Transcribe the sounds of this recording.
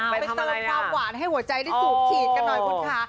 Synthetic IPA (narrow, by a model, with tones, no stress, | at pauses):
pa˧jt̪ɤː˧aː˥˩p̚kwaː˨˩˦nɦa˥˩jhu˩˦ɐt͡ɕa˧jda˥˩js̚kʰiː˨˩t̪̚ka˧nːɔː˨˩jkʰo˨˦nkʰa˦˥